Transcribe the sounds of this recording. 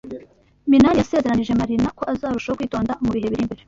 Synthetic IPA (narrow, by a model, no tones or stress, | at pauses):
minanjase̞zeɾaniʒe̞maɾinako̞ʔazaːɾuʃaokwiːto̞ːndamuβihe̞βiɾimbeɾe